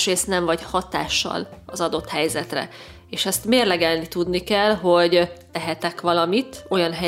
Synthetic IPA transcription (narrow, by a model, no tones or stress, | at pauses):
ʃreːst̪nɛɱvɒɟhɒt̪a̰ːʃːɒ̰lɒzɒd̪o̞t̪hɛjzɛt̪rɛ̰ | eːʃɛst̪meːrlɛɡɛlnit̪ud̪nikɛlɦo̞ɟ̪ | ɛɦɛt̪ɛkʋɒlɒmit̪o̞jɒnɦɛ